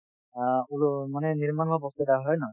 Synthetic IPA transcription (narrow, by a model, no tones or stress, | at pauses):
aulmanɛniɹmanʱɔbɔst̪ɔtaɦɔjnɔ